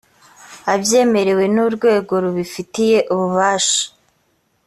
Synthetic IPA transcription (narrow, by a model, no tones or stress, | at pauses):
abje̞ːme̞ɾe̞we̞nuɾɡwe̞ːɡo̞ɾuβifitije̞ʔuβuβaːʃḁ